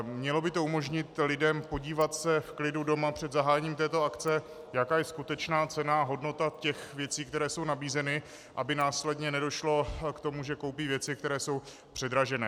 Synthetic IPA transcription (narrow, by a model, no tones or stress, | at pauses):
mɲɛlo̞bɪt̪o̞umo̞ʒɲɪt̪lɪdɛmpo̞ɟiːvat̪sɛfklɪdudo̞mapr̝̥ɛd̪zaɦaːjɛɲiːmt̪ɛːt̪o̞akt͡sɛ | jakaːjɛskut̪ɛt͡ʃnaːt͡sɛnaaɦo̞dno̞t̪acɛxvjɛt͡siːkt̪ɛɾɛːso̞wnabiːzɛnɪ | ʔabɪnaːslɛdɲɛnɛdo̞ʃlo̞kt̪omuʒɛko̞wpiːvjɛt͡sɪkt̪ɛɾɛːso̞w | pr̥ɛd̪ɾaʒɛnɛː